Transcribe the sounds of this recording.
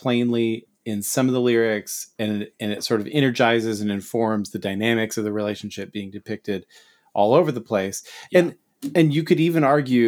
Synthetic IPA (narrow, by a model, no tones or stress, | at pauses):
pʰl̥ẽɪ̃nli | ɪ̃nsʌ̃mʌvðəlɪɹɪksɨ̃nɨ̃nɨtsɔɹɾʌvɛ̃ɾ̃ə˞d͡ʒaɪzɨzɨ̃nɨ̃ɱfɔɹmzðɨdaɪnæmɨksʌvðɨɹileɪʃn̩ʃɪp̚b̥iɪ̃ŋdɨpʰɪk̚tɪɾ | ʔɔlˠoʊvə˞ðəpʰl̥eɪsɨ̃n | ɨ̃njɨkʰɨɾivɨ̃nɑɹɡjʉ